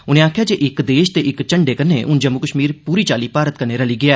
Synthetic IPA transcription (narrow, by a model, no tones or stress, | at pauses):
ʊnẽaːkʰjaːd͡ʒeːʔɪkd̪eːʃt̪eʔɪkt͡ʃəɳɖeːkənːḛːʔʊnd͡ʒəmːʊkəʃmiːɾpuːɾiːt͡ʃaːliːpaːɾət̪̚kəɾneːɾəliːɡɪaː